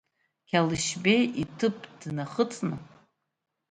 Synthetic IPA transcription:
kʲʰalɨʃbe̞jitʰɨpʰʼd̥naχət͡sʼnɨ

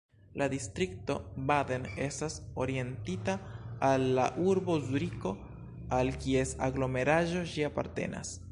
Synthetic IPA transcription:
lʔadistɾik̚to̞badene̞staso̞ɾie̞ntitaːlːa̰ʔuɾbo̞zuɾiko̞ | alkie̞sa̰ɡlo̞me̞ɾaʒo̞ʃiapa̰ɾte̞̰na̰s

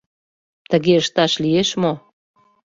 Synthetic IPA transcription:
t̪əɣeəʃt̪ɑʃlieʃmo

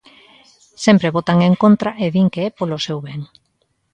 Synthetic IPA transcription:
sɛmpɾeβot̪aŋeŋkont̪ɾaʔeðiŋkeɛpolosewβɛŋ

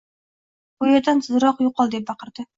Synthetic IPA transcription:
bojɑd̪ant̪ʰɨzɾɑqjoqːɑlˠd̪ep̚bɑqəɾd̪̥ɪ

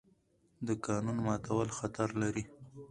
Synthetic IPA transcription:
d̪əkɑnunmɑt̪awəlxat̪aɾlaɾi

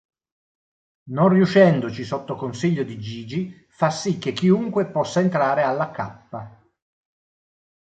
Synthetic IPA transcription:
nonrjuʃɛnd̪ot͡ʃisot̪ːokonsiʎːod̪id͡ʒiːd͡ʒi | fasːikːekːiuŋkwepɔsːaent̪ɾaːɾealːakapːa

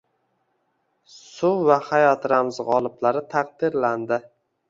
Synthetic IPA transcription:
sʊvahajɒt̪ɾamzʁɒlˠɪblaɾɪt̪ʰaq̚d̪ɪɾland̪ɪ

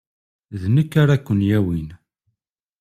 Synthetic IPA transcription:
ðnəkːaɾakʷːənjæwin

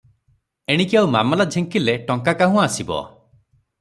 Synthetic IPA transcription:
eɽ̃ikiawma̰mɔlad͡ʒʱeŋkileʈɔŋkakaɦũasibɔ̰

